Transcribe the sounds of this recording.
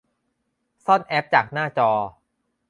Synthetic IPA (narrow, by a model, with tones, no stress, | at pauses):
sɔ˥˩nʔɛ˦˥p̚t͡ɕaː˨˩k̚naː˥˩t͡ɕɔː˧